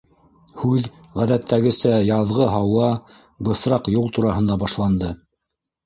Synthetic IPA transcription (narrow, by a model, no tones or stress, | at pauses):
hʉð | ʁæðæt̪ʰːæɡɘ̆sæjɑðʁɤɦɑwɑ | bɤ̆sɾɑqjulˠt̪uɾɑhɤ̆nd̪ɑbɑʃlˠɑnd̪ɤ